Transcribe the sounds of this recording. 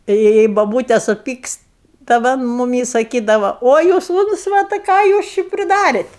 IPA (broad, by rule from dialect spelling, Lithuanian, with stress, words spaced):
tɐ jɛɪ ˈjɛɪ boːˈbuːtʲɛ sʊˈpʲiːkst tɐ ˈʋɐ ɐn mʊˈmʲiː sɐˈkʲiːdɐʋɐ ˈoː juːs ˈuːnt͡sʋɐtɐɪ ˈkɑː juːs ˈt͡ʃʲɪ pʲrʲɪˈdɑːrʲeːt